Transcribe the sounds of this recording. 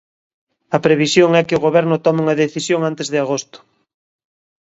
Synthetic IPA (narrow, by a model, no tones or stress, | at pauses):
ɐpɾeβisjoŋɛkɪʊɣoβɛɾnʊt̪ɔmuŋɐðeθisjoŋant̪ezðɪaɣost̪ʊ̥